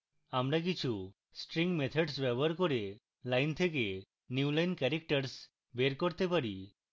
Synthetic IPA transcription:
amɾak̬it͡ʃʰu | sʈɾiŋɡmet̪ʰɔɖsbɛbɔɾkoɾe | lajnt̪ʰek̬e | njuulajnkɛɾek̚ʈəɾs | beɾkoɾt̪epaɾi

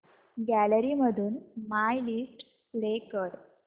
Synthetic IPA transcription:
ɡæləɾiməd̪ʱuːnmajliʂʈ | sɽekəɾ

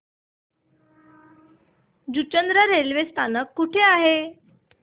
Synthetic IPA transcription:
d͡ʑut͡ɕənd̪ɾəɾelʋest̪ʰanəkːuʈʰeaɦe

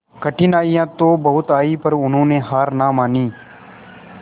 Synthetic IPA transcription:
kəʈɪnaːijãːt̪oːbəɦʊt̪aːiːpəɾʊnɦõːneːɦaːɾnaːmaːniː

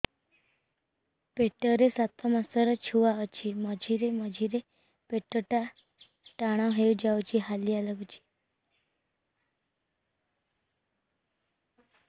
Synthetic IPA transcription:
peʈəɾesat̪ʰɔmasəɾət͡ʃʰuʋaət͡ʃʰiməd͡ʒʱiɾeməd͡ʒʱiɾe | peʈəʈa | ʈaɽ̃ãɦejũd͡ʒawt͡ʃʰiɦalialəɡt͡ʃʰi̥

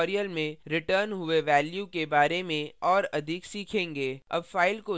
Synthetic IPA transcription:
ɾijəlmẽɾɪʈəːɾnɦʊeʋɛːljukebaːɾemẽɔːɾɐd̪ʱɪksiːkʰẽːŋɡeːɐ̰bfaːɪlko

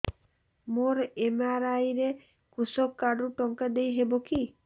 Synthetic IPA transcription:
moɾemaɾajɾe | kusɔkːaɖuʈɔŋkad̪ejɦeboki

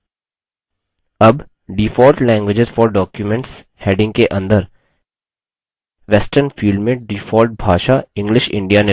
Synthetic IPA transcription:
ɐb | ɖiːfɔːlʈlɛ̃ːŋɡʋɪd͡ʒɪzfɔːɾɖɔːkjumɛ̃ɳʈs | heːɖɪ̃ŋɡkeʔɐ̃nd̪əɾ | ʋɛsʈəɾnfiːlɖmẽɖiːfɔːlʈ̚bʱaːʃaɪ̃ŋɡlɪʃɪ̰̃ɳɖijane

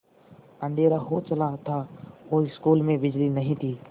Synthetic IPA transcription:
ə̃nd̪ʱeːɾaɦot͡ʃɐlat̪ʰaoɪskuːlmẽbɪd͡ʒlinɐɦĩt̪ʰiː

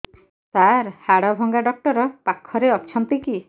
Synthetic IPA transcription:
saɾhaɽɔbʱɔŋɡaɖɔk̚ʈɔɾɔpakʰːɔɾeɔt͡ʃʰɔnt̪iki

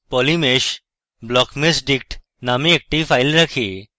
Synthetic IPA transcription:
pɔlimeʃ | blɔkmesɖik̚ʈ | nameːk̚ʈifʰajlɾɐkʰi

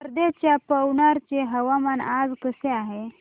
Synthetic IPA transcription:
əɾd̪et͡ɕjapəwɳaɾt͡ɕeɦəʋamanad͡zkəseaɦe

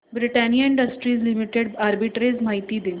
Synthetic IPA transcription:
bɾiʈanijəiɳɖəsʈɾiːzlimiʈeɽaɾbiʈɾed͡zmaɦit̪iːd̪e

